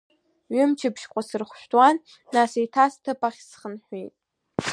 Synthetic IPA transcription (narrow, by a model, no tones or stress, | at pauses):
ɥɪmt͡ʃʰɪpʃkʷʼasɨrχʷʃʷᶣtʼwanː | asejtʰastʰɨpʼaχʲsχənħʷijtʼ